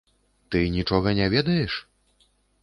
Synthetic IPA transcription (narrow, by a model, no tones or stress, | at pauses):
t̪ɨnʲit͡ʂɔɣɐnʲavʲɛd̪ɐjɛʂ